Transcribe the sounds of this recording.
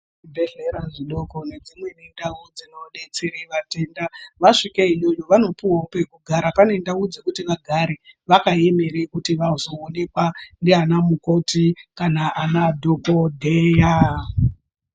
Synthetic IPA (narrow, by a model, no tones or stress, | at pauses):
ibʱeɮeɾaʐiɗo̞ko̞ne̞d͡zimwe̞nindaud͡zino̞ɗet͡seɾeʋate̞ndaʋaʂikeiɲoɲoʋano̞puwope̞kuɡʱaɾapane̞ndaud͡zekutiʋaɡʱaɾiʋakaje̞me̞ɾekutiʋausoone̞kwandeanamuko̞tikanaʔanadʱokodʱeja